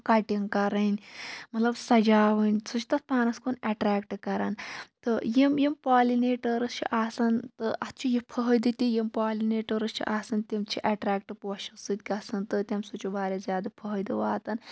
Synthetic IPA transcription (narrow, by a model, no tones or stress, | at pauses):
kaʈiŋkɐɾɐnʲmɐt̪lɐbsɐd͡ʒaːʋɐnʲsʰɨt͡ʃʰt̪ɐt̪̚paːnɐskonɐʈɾaːkʈɨkɐɾant̪ɨjimjimpaːlineːʈɐɾɐst͡ʃʰḭʔaːsɐnt̪ɨʔɐt̪ʰt͡ʃʰujipʰɐɦɐjd̪ɨt̪ʲijimpaːlʲineːʈɐɾɐst͡ʃʰḭʔaːsɐnt̪imt͡ʃʰiʔɐʈɾaːkʈɨpoɐʃɐsɨd̪̚ʲkʲɐsɐnt̪ɨt̪ʲɐmsut͡ʃubaːɾʲɐzʲjaːd̪ɐpʰɐɦɐjd̪ɨʋaːt̪ɐn